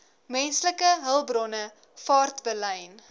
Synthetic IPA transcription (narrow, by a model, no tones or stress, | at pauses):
mɛnsləkəɦəlˠbrɔnə | fɑːrtbələjn